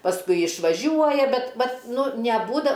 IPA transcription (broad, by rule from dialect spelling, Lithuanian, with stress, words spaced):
pɐsˈkʊɪ ɪʃʋɐˈʒʲuɔjɛ ˈbʲɛt ˈʋɐt ˈnʊ nʲɛˈbuːdɐ